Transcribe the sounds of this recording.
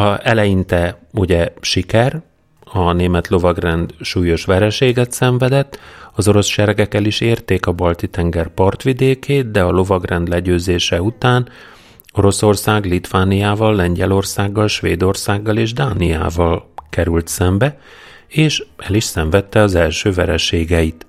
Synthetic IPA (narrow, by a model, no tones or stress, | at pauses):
ɒɛlɛjint̪ɛuɟɛʃikɛr | ɒneːmɛt̪lo̞vɒɡrɛnd̪ʃuːjo̞ʃʋɛɾɛʃeːɡɛt̪sɛɱvɛd̪ɛt̪ːɒzo̞ɾo̞sʃɛɾɛɡɛkːɛliʃeːrt̪eːkɒbɒlt̪it̪ɛŋɡɛrpɒrt̪ʋid̪eːkʰeːt̪̚d̪ɛɒlo̞vɒɡrɛnd̪lɛɟøːzeːʃɛut̪aːn | o̞ɾo̞so̞rsaːɡlit̪ʋaːnijaːvɒlːɛɲɟɛlo̞rsaːɡːɒlʃʋeːd̪o̞rsaːɡːɒleːʒd̪aːnia̰ːvɒlkɛɾylt̪sɛmbɛ | eːʃɛliʃsɛɱvɛt̪ːɛɒzɛlʃøːvɛɾɛʃeːɡɛit̪